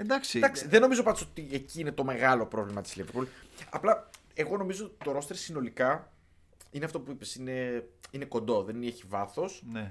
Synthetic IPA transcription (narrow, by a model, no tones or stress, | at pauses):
end̪ɐksid̪ɐksiðe̞no̞mizo̞pɐnd̪osot̪ie̞ciine̞t̪o̞me̞ɣɐlo̞pɾo̞vlimɐt̪isliveɾpulɐ̰plɐ | e̞ɣo̞no̞mizoːt̪it̪o̞ɾo̞st̪eɾsino̞likɐ | ineɐft̪o̞puipe̞sine̞ineko̞nd̪o̞ðe̞neçivɐθo̞sne